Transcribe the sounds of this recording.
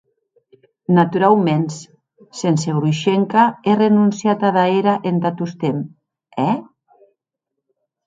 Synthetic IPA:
nat̪uɾawmens | senseɣɾuʃeŋkaerenunsjat̪aðaeɾaʔent̪at̪ust̪em | ɛ

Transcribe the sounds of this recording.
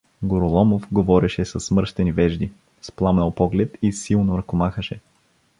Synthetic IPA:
ɡoɾolˠɔmofɡovɔɾɛʃɛsɐsːmɤɾʃt̪ɛnivɛʒd̪i | splˠamnəlˠpɔɡlɛt̪isilˠnoɾɐkomaxəʃɛ

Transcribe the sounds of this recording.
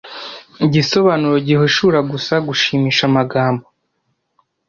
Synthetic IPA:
iɟiso̞βanuɾoɟiɦoʃuːɾaɡusaɡuʃiːmiːʃamaɡaːmbo

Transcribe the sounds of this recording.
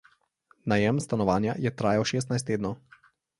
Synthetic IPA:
najɛmst̪anɔʋaːnjajɛt̪ɾaːjawʃeːs̬t̪najst̪ːeːd̪nɔ

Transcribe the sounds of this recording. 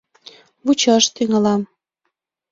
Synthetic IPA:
βut͡ɕɑʃt̪yŋɑlɑm

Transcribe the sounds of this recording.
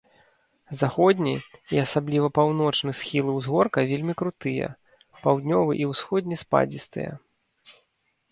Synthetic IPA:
zaxɔd̪ʲnʲiiasablʲivɐpawnɔt͡ʂnɨsxʲilˠɨwzɣɔrkɐvʲelʲmʲikɾut̪ɨjɐ̰ | pawd̪ʲnʲɔvɨʔiwsxɔd̪ʲnʲispa̰d͡zʲist̪ɨ̰jɛ̰

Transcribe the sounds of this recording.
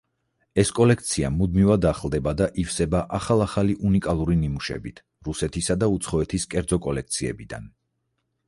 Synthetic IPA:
ɛskʼɔlɛkʰt̪sʰiamud̪mivad̪aχlˠd̪ɛbad̪aʔifsɛbaʔaχalˠaχaliʔunikʼalˠuɾinimuʃɛ̰bit̪ʰ | ɾusɛt̪ʰisad̪aut̪sʰχɔɛt̪ʰiskʼɛɾd̪zɔkʼɔlɛk̚ʰt̪sʰiɛ̰bid̪a̰n

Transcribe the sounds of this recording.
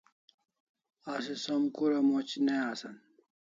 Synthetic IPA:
asisomkuɾɐmot͡ɕneasɐn

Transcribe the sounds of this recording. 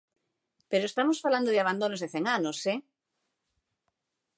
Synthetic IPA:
peɾoest̪amosfaland̪oðɪaβ̞and̪onozðeθeŋanose

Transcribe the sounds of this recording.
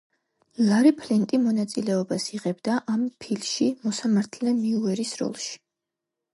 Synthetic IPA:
laɾipʰlint̪ʼimɔnat̪sʼilɛɔbasiʁɛbd̪aʔampʰilʃimɔsamaɾt̪ʰlɛnmiuɛɾisɾɔ̰lˠʃi̥

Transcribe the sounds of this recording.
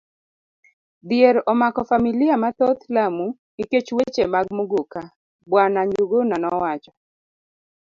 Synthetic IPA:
d̪ɪeɾɔmakɔfamilɪjamat̪ɔt̪lamu | iket͡ʃwet͡ʃemaɡmoɡoka | bwanaɲd͡ʒuɡonanɔwat͡ʃɔ

